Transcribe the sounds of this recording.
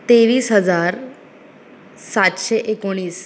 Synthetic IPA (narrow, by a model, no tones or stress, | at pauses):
t̪eʋiːsɦəd͡zaɾ | sat̪ɕeʔekoɽ̃iːs